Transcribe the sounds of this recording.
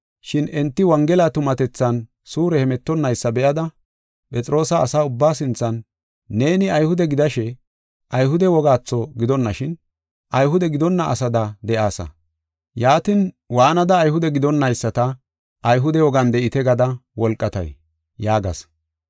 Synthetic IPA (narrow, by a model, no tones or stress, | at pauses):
ʃɪnɛnt̪ːɪwɐŋɡɛlat̪ʊmɐt̪ɛt͡sːɐn | suːɾɛhɛmɛt̪ːɔnːɐjsːɐbɛʔɐd̪ɐ | pʼɛt͡sʼɾʔo̞ːsɐːsaːʊbːaːs̬ɪnt͡sːɐnː | e̞ːnɪɐjhʊd̪ɛɡɪd̪ɐʃɛ | ʔɐjɦʊd̪ɛwɔɡaːt͡sːɔɡɪd̪ɔnːɐʃɪn | ʔɐjɦʊd̪ɛɡɪd̪ɔnːɐʔːsɐd̪ɐd̪ɛʔaːsɐ̰ | jaːt̪ɪn | waːnɐd̪ɐːjhʊd̪ɛɡɪd̪ɔnːɐjsːɐt̪ɐ | ʔɐjɦʊd̪ɛwɔɡɐnd̪ɛʔɪt̪ɛɡɐd̪ɐwɔlkʼːɐt̪ɐ̰j | jaːɡɐ̰s